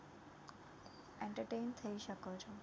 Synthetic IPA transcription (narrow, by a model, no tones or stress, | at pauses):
eɳʈəɾʈejnt̪ʰəiʃəkot͡ʃʰo